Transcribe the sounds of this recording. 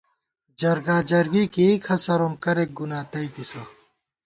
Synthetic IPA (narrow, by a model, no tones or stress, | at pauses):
d͡ʑɐɾɡaːd͡ʑɐɾɡikikʰɐsɐɾomkɐɾek̚ɡunaːt̪ɐit̪isɐ